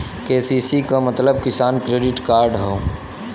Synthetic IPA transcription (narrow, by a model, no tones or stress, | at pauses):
keːsiːsikamɐt̪ləb̚kɪsaːnkɾeːɖɪʈkaːɾɖɦoː